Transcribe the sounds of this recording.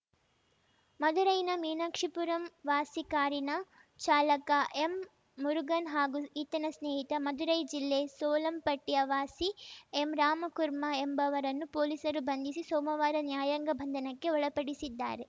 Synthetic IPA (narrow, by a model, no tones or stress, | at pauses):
mɐd̪uɾɐjnɐmiːnakʂipuɾɐmʋaːsikaːɾinɐ | t͡ʃaːlɐkɐʔemː | uɾuɡɐnɦaːɡuit̪ːɐnɐsneːɦit̪ɐmɐd̪uɾɐjd͡ʒilːeːsoːlɐmpɐʈːijɐʋaːsiemɾaːmɐkuɾmɐembɐʋɐɾɐnːupoːliːsɐɾubɐnd̪isisoːmɐʋaːɾɐnjaːjɐŋɡɐbʱɐnd̪ʱɐnɐkːe̞ɔɭɐpɐɽisid̪ːa̰ːɾe̞